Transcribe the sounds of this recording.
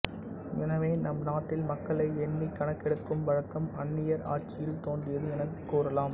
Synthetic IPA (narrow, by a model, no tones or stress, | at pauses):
ʋɪnɐʋeːnɐmnaːʈ̪ːɪlmɐkːɐɭɐɪɛnːikːɐɳɐkːɛɽɯkːɯmʋɐɻɐkːɐmɐnːɪjɐɾa̰ːɾt͡ʃɪjɪlt̪oːndɪjɐðɯɛnɐkːuːɾɐlaːm